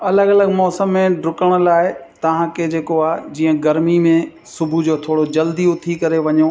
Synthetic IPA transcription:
ɐləɡɐləɡmɔːsəmːẽɖʊkəɽ̃ʊ̆laːɪt̪ɐʋ̤ãkʰed͡ʑeːkoaːɦd͡ʑiːə̃ɡɐɾmimẽ | sʊbʱud͡ʑoːt̪ʰoːɽod͡ʑɐld̪iot̪ʰikɐɾeʋɐɲo

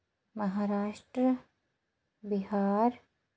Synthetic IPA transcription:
mɐɦaːɾaːʃʈɾə | biɦaːɾ

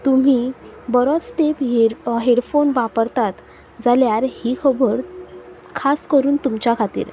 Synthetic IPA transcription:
t̪um̤ibəɾɔt͡st̪epɦeɦeɽfonʋapəɾt̪at̪ | d͡zaljaɾhiːkʰəbəɾ | kʰaskəɾuːnt̪umt͡ɕjakʰat̪ḭːɾ

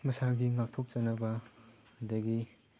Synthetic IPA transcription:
mɐsaɡiŋak̚tʰok̚t͡ʃanaba | hudaɡi

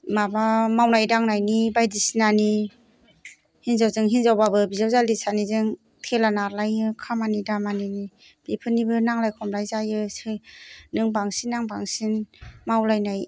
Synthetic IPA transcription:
mabamawnajdaŋnajnibajdisinani | hinzawzɯŋɦinzawbabɯbizawzalisanizɯŋ | tʰelanaɾlajɯkʰamanidamanini | b̥ipʰɯnibɯnaŋlajkʰɔmlajzajɯsɯnɯŋbaŋsinːaŋbaŋsinmawlajnaj

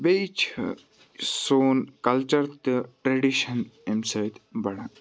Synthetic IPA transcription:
bejt͡ʃʰ | soːnkɐlt͡ʃɐɾt̪ɨʈɾeɖiʃɐnemsɐjt̪bɐɽã

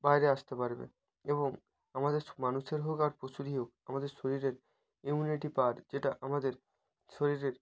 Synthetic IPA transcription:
bajɾeaʃt̪epaɾbḛ | eboŋ | amad̪eɾmanuʃeɾɦokaɾposuɾiɦokamad̪eɾʃoɾiɾeɾ | imuniʈipaɾd͡ʑeʈaʔamad̪eɾ | ʃoɾiɾeɾ

